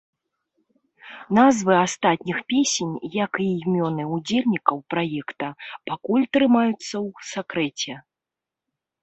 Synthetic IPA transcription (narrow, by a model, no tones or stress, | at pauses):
n̪azvɨast̪at̪̚ʲnʲixpʲesʲenʲjɐkimʲɔnɨud͡zʲelʲnʲikɐwpɾajɛkt̪ɐpakulʲt̪ɾɨmajut̪sːɐwsakɾɛt͡sʲɛ